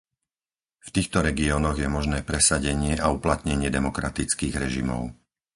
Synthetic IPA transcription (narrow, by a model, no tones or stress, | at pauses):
ft̪iːxt̪ɔɾɛɡiɔːnɔɣjɛmɔʒnɛːpɾɛsaɟɛɲɪɛʔauplat̪ɲɛɲɪɛd̪ɛmɔkɾat̪it͡skiːɣɾɛʒimɔ̰ʊ